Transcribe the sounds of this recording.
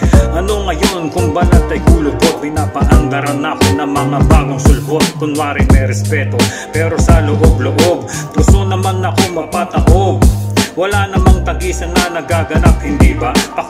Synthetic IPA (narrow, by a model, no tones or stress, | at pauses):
ʔɐno̞ŋɐjonkʊŋbalɐt̪ːɐjkuːlopo̞pɪnaːpɐʔɐnd̪ɐɾɐnːaːkonːɐŋmɐŋabaːɡoŋsʊlɦot̪̚kʊnwaɾɪnmɛɾɛspɛt̪o | pɛːɾo̞sɐlʊʔoblʊʔo̞b̚kʊsonɐmanːɐko̞ŋmɐɡ̚p̪aːt̪ɐʔoɡ̚wɐlanɐmaŋt̪ɐɡiːsɐnːɐnɐɡaɡɐnap̚hɪnd̪iːbɐpɐ